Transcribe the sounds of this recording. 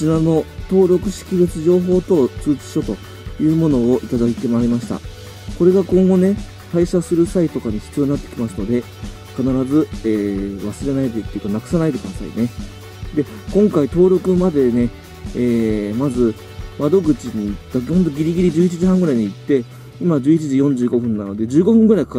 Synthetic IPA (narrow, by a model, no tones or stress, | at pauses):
t͡ɕinano̞t̪o̞ːɾo̞kɯ̟ɕi̥kʲibɯt͡sɨʑo̞ːɦo̞ːt̪o̞t͡sɨːt͡sɨ̥ɕo̞t̪o | jɯ̟ːmo̞no̞ːʔit̪ad̪ait̪e̞maːɾʲimaɕi̥t̪a̰ | ko̞ɾe̞ɡakõŋɡo̞ne̞ | t̪aiɕasɨɾɯ̟sait̪o̞kaɲ̟iɕkioɲinat̪ːekʲimasɨno̞d̪e̞ | kanaɾazɨeːβasɨɾe̞naid̪et̪ːeiɯ̟k̪anakɯ̥sanait̪e̞kd̪asa̰ḭne̞ | d̪e̞ | kõ̞ŋkait̪o̞ːɾo̞kɯ̟mad̪e̞ne̞ | eːmazɨ | mad̪o̞ɡɯ̟t͡ɕiɲ̟iːt̪ːahont̪o̞ɡʲiɾʲiɡʲiɾʲid͡ʑɨːit͡ɕiʑihãŋɡɯ̟ɾaiɲ̟iːt̪ːe̞ | imad͡ʑɨːit͡ɕiʑijõ̞ɲ̟d͡ʑɨːɡo̞ɸɯ̟̃nːano̞d̪e̞d͡ʑɨːɡo̞ɸɯ̟̃ŋɡɯ̟ɾaikḁ